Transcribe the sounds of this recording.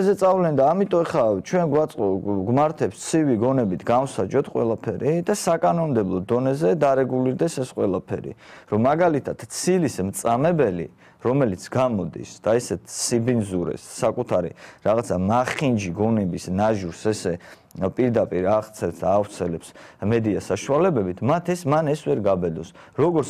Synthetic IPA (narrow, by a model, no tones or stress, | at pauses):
zɛt̪sʼavlɛnd̪aːmit̪ʼɔɛχat͡ʃʰwɛnɡwat̪sʼqʼɔɡmaɾt̪ʰɛpst̪sʰiviɡɔnɛbit̪ʰɡamsad͡ʒɔt̪ʰqʼwɛ̰lˠapʰɛɾid̪asakʼanɔnd̪ɛblˠɔd̪ɔnɛzɛd̪aɾɛɡuliɾd̪ɛsɛsqʼwɛlˠapʰɛɾḭɾɔmːaɡalit̪ʰad̪̥t̪sʰilismt̪sʼamɛbɛlḭ | ɾɔmɛlit̪sʰɡamɔd̪ḭsd̪̥aɛsɛt̪ʰsibinzuɾɛ̰sːakʼut̪ʰaɾḭɾaʁat̪sʰamaχind͡ʒiɡɔnɛbisnaʒuɾsɛsɛ | pʼiɾd̪apʼiɾaʁt̪sʰɛlt̪sd̪aːvt̪sʰɛlɛpsmɛd̪iasaʃualɛbɛbit̪ʰmat̪ʰɛsmanɛsvɛɾɡabɛd̪ɔsɾɔɡɔɾt̪